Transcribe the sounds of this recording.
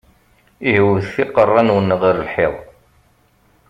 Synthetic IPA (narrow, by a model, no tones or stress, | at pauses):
iɦəwəðθiqərˤːɑnwənːʁiɾəlħɪðˤ